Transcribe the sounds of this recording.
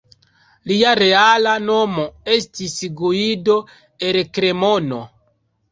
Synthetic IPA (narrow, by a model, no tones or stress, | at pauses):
liaɾe̞alano̞moe̞stisɡuido̞ | elkɾe̞mo̞no̰